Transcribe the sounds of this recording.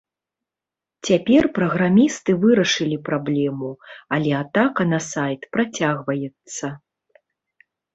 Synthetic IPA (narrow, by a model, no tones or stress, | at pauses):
t͡sʲapʲɛrpɾɐɣɾamʲist̪ɨvɨɾɐʂɨlʲipɾablʲɛmuɐlʲɛat̪akɐnɐsajt̪pɾat͡sʲaɣvɐjɛt̪sːɐ